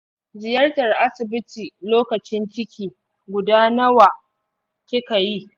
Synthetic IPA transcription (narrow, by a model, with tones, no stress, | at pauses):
zɪ˨jɐ˦rtɐ˨rʔa˦sɪ˨bɪ˦tiː˨loː˦kɐ˨t͡ʃɪ˦nt͡ʃɪ˦kʲʰiː˨ | ɡʷʊ˨daː˦nɐ˦waː˨ | kʲɪ˦ka˨ji˦